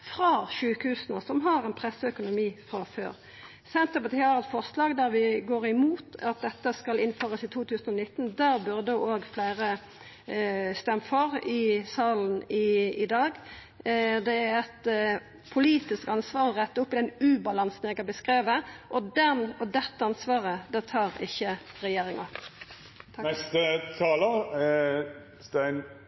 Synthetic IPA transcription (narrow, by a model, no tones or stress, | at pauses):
fɾɑʃʉːkhʉːsənəsɔmɦɑʁɛnpʰʁɛsːəœkʊnʊmiːfʁɑfø̰ːɾ | sɛnt̪əpɑt̪ʰiːhɑʁɛt̪fɔʁslɑːɡd̪æʁʋɪɡoːʁɪmuːt̪ɑt̪̚d̪ɛt̪ːəskɑlɪnføːʁəsɪt̪ʰuːt̪ʰʉːsənɔnɪt̪ːn̩d̪æʁbʉʁd̪əoːɡflæːʁə | st̪ɛmːfɔʁɪsɑːln̩ɪɪd̪ɑːɡ | d̪ɛæʁɛt̪ | pʰʊliːt̪ɪskɑnsʋɑːʁɔʁɛt̪ːəʊpːɪd̪ɛnʉːbɑlɑnsn̩jæɪkɑbəskʁeːʋəʔɔd̪ɛnɔd̪ɛt̪ːəɑnsʋɑːʁəd̪æːʁt̪ʰɑːʁɪçːəʁɛjeːʁɪŋə̰ | nɛst̪ət̪ʰɑːlə | st̪æɪn